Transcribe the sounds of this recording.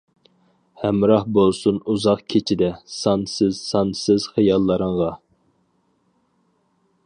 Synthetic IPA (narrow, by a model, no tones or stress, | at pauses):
hæmɾɑhbolˠsunuzɑqkʲʰet͡ʃʰid̪ɛsɑnsɪzsɑnsɪz̥χɨjɑlˠːəɾəɴʁɑ